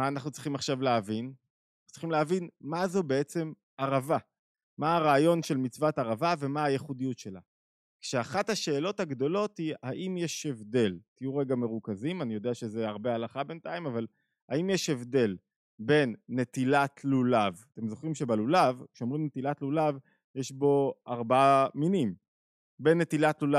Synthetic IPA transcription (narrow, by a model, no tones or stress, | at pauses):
maːnaχnutt͡si̥χimaχʃavleavin | aχutt͡siχimleavinmazobeet͡se̞m | aʁava | maːʁaːjo̞nʃe̞lmit͡svat̪aʁavave̞maajeχudijutʃe̞la | kʃeaχathaʃe̞ːlo̞thaɡd̪o̞lo̞t̪hiaʔimjeʃe̞vd̪e̞lt̪ijuʁeɡame̞ʁukazimanijo̞d̪eaʃezeaʁbealaχabe̞nt̪aimaval | haimjeʃe̞vd̪e̞l | be̞nːe̞t̪ilatʰlulavat̪e̞mzo̞χʁimʃebalulavkʃeomʁimnet̪ilatlulav | jeʃbo̞aʁbaaminim | be̞nːet̪ilatlula